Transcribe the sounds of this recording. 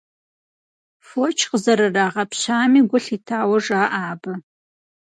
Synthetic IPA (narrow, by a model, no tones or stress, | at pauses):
fot͡ʃʰqəzɐɾɐraːʁɐpʰɕaːmiɡʷʊɬitʰaːwɐʐaːʔaːbɐ